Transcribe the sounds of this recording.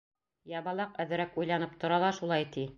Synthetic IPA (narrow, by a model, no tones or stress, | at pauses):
jɑβɑlˠɑqæðɘ̆ɾækujlˠɑnɤp̚t̪ŏɾɑlˠɑʃulˠɑjt̪i